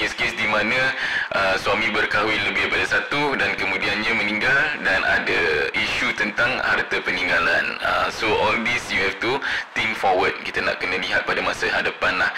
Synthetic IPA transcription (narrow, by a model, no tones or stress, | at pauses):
keskesdimãnə̃ʔəswamĩbərkaɦwiləbɪpadasat̪udankəmũdianɲãmə̃nĩŋɡaldanʔa̰dəiʃut̪ənt̪aŋha̰rt̪əpənĩŋɡala̰nə̰soʔɔldisjuɦɛft̪ut̪iŋfɔwəd̚kit̪ana̰ʔkənə̃liɦat̪̚padamasəɦadəpanlah